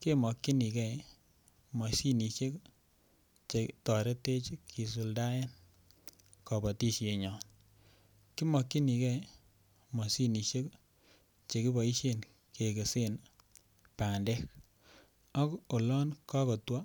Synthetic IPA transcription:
ke˦mɔ˨kːi˦ni˨kɛ˦˨ | mɔ˨si˦ni˨ʃe˦k | t͡ʃe˨tɔ˨ɾe˦te˦t͡ʃi˦kʰːi˨s̬u˨lda˦je˦n | kɔ˨bɔ˨ti˦ʃe˨ɲɔ˨n | ki˦mɔ˨kːi˦ni˨kɛ˦ | mɔ˨si˦ni˨ʃe˦k | t͡ʃe˨ki˦bɔ˨i˦ʃe˦n | ke˨ke˨se˦n | pa˨ndɛ˦k | ɔ˦ko˨lɔ˦nkɔ˦kɔ˨twa˦

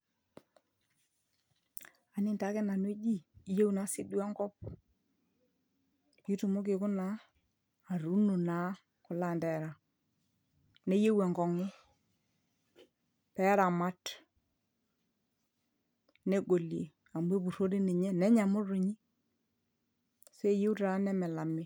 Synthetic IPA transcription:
a˨nɪ˦˨nta˨˦kɛ˦na˨nwi˦d͡ʒi˦˨je˦wna˨˦si˦du˦a˦ŋɡɔ˦p̚ | i˦tu˨mo˦k̬ɪ˨kʊ˦naː˨˦˨ | ɾu˦no˨na˨˦ | kʊ˨la˦˨ndɛ˨ɾa˨ | ne˦je˦we˨ŋɡɔ˨ŋʊ˦ | pɛ˨˦ɾa˨ma˦t | ne˦ɡo˨lje˨ | a˨mbe˦bu˨ɾo˦ɾi˦ni˨ɲɛ˦nɛ˦ɲa˨mʊ˦ɾu˨ɲi˦ | se˦˨je˦u˦ta˨˦nɛ˦mɛ˨la˨mɪ˦

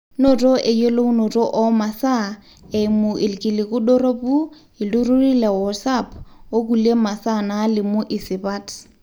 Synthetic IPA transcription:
nɔ˨tʼɔ˦ʔɪ˨jo˦lo˦ʊ˦nɔ˨tʼɔ˦ʔɔ˦ma˨sa˦ | ɛ˨mʊʔɪ˨lkʼi˨lɪ˨kʊ˦dɔ˦ro˦pu˦ | ɪ˨lu˦ru˦ri˦lɛ˨wɔ˨sapʰo˦kule˦ma˨sa˦na˦lɪ˨mʊ˦ʔɪ˨sɪ˨ba˦t

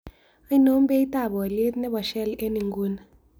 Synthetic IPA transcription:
a˦i˦no˦m˦be˦i˦ta˦˨ɓɔ˨le˦t̪nɛ˦ɓɔ˨ʃɛ˦li˦ʔe˦ni˨ŋɡu˦na˨

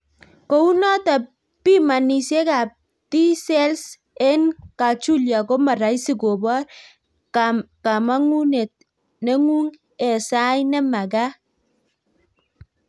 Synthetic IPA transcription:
ko˦u˦nɔ˦ta˨ | pi˦ma˨ni˨sje˦ka˨p̚ | ti˦sɛ˦ls | ɛ˦nka˨t͡ʃu˦lja˨ko˦ma˨ɾa˨jsi˦˨ɡo˨bɔ˦r | ka˨ma˦ŋu˦ne˨t̚ | nɛ˦ŋu˦ŋ | ɛ˨sa˦jnɛ˦ma˨ɡa˦

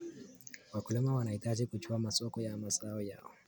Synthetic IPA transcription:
wa˨kʊ˨lɔ˦ma˦wa˨na˨i˨ta˦d͡ʒi˦ku˨t͡ʃu˦a˦ma˨sʼɔː˦kɔ˦ja˦˨ma˨sʼaː˦wo˦ja̰ː˦˨o˦

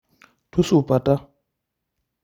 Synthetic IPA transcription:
tʰu˦su˦˨pa˨ta˦

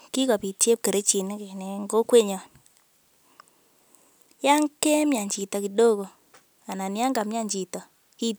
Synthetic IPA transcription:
ki˦kɔ˨pi˨tje˦p̚ke˨ɾe˦t͡ʃi˨n˦ke˨nɛ˨ŋɡo˦kwe˦ɲɔ˨n | ja˦ŋke˦mja˨ɲt͡ʃi˨tɔ˨ki˨do˦ko˨ | a˨na˨nɪ˦a˦ŋɡa˨mja˦ɲd͡ʒi˨tɔ˨ | ki˦

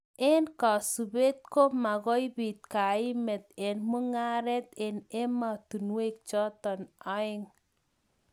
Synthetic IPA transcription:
e˦nka˨su˨be˦t̪̚ko˦ma˨ɣɔ˦jbi˨t̪̚ka˨ɪ˦mɛ˨t̪e˨nmu˦ŋa˦ɾɛ˦t̪e˨ne˦ma˨t̪u˨nwe˦k̚t͡ʃɔ˦t̪ɔ˨nɔ˦ɪ˦ŋ

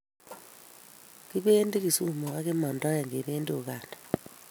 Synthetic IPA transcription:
ki˦βe˦nde˦ki˨su˦mo˨ka˦ke˦ma˨ndɔ˦ja˨ŋɡe˨ɾeː˦ndu˨ka˨ndḁ

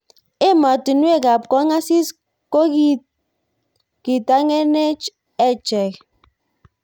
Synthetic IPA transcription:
e˦ma˨ti˨nwe˦˨ɡa˨pkɔ˦ŋa˦si˦s | ko˦ | ki˨ta˦ŋe˦ne˦t͡ʃ | ɛ˦t͡ʃɛ˨k

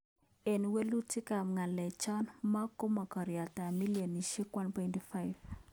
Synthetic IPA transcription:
e˨nwe˦lu˦ti˦ka˨mŋa˨lɛ˨t͡ʃɔ˦nma˦ku˦mɔ˨kɔ˨ɾja˨ta˨mi˦ljɔ˨ni˨ʃi˦kwa˦npɛ˨ntifa˦jv

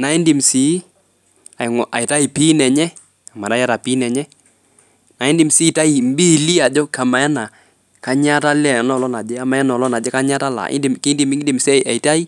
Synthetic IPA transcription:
na˨ɪ˦ndi˨msi˨˦ | a˨ɪ˨ŋɔ˨ʔa˨ɪ˨ta˦i˨pi˦nɛ˨ɲɛ˦ | a˨ma˨ɾa˦ja˦ɾa˨pi˦nɛ˨ɲɛ˦ | na˨ɪ˦ndi˨msi˦ta˦i˨m˦bi˦˨li˦a˨d͡ʒɔ˦ka˨ma˨ɛ˦na˨ | ka˦ɲa˦ta˦lɛ˨nɔ˨lɔ˦na˨d͡ʒɛ˦a˨ma˨ɛ˦nɔ˨lɔ˦na˨d͡ʒɛ˦ka˦ɲa˦ta˦la̰˨ɪ̰˦ndi˨mki˦ndi˨mɪ˦ŋ˦di˨msɛ˦ʔa˨i˨ta˦i˦

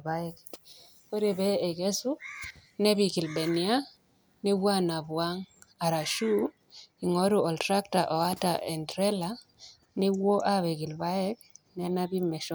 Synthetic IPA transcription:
ba˦ɛ˦k | ko˦ɾe˨bɛː˦˨kɛ˦sʊ˦nɛ˦bi˨kɪ˨lbɛ˨nja˦ | nɪ˦bwa˦na˨bwa˦ŋa˨ɾa˨ʃu˦ | i˨ŋɔ˨˦ɾʊ˨ɔ˨ltɾa˦kta˨ʔɔ˨a˦ta̰˨ɛ˨ndɾɛ˦la˦ | nɪ˦wo˦ʔa˦βe˨kɪ˨lba˦ɛ˦knɛ˦na˦bi˦mɛ˨ʃ

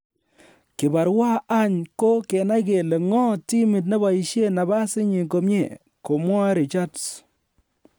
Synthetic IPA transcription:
kɪ˨ba˨ɾwa˦a˦ɲko˦ke˨na˦jke˨le˨ŋɔ˦ti˦mɪ˨t̬̚ne˦ba˨i˨ʃje˦na˨ba˦sɪ˦ɲi˨ko˨mje˦˨ | ko˨mwa˦ɾi˨t͡ʃa˦ds

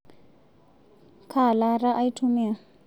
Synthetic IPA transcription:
kʰa˨la˦ɾa˦ʔa˦i˦tʰu˦mɛ˦˨a˨

